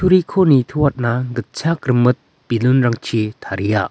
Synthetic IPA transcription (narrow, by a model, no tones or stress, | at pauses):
tʰuɾikʰonitʰuwat̚naɡɯt̚t͡ʃʰakɾɯmɯt̪̚ | pilunɾaŋt͡ʃʰitʰaɾija̰